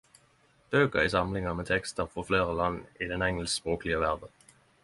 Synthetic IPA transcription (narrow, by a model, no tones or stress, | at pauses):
b̥øːkəʁɪsɑmlɪŋəmeːt̪ʰɛkst̪əʁfɔfleːʁəlɑnːɪd̪ɛnɛŋɛlsspʁoːklɪəʋæʁd̪ən